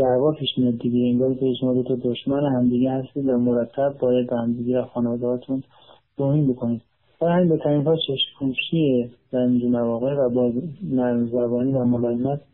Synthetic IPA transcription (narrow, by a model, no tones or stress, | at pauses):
d̪̥ævɒːpʰiːʃmijɒːd̪̚ːiɡeeŋɡɒːɾikʰehiʃomɒːd̪ot̪ʰɒd̪oʃmænehæmd̪iːɡehæst̪iːd̪væmoɾæt̪ʰːæb̚ːɒːjæd̪̚behæmd̪iɡevæxɒːnevɒːd̪ehɒːt̪ʰun | d̪̥ohinbo̞kʰoniːd̪ | fælhæminbet̪ʰæɾinɦɒːt͡ʃʰeʃkʰuːʃiezæɾind͡ʒumævɒːɣevæbɒːznæɾmzæbɒːniːvæmobælmæt̪